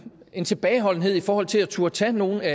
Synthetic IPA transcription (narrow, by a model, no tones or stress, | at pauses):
e̝nt͡sʰe̝b̥ɛːɪɦɒ̽l̰n̩ɦe̝ð̞̰ˠifɒːhɒ̽l̰t͡sʰe̝læt͡sʰuɐt͡sʰæno̝ːn̩æ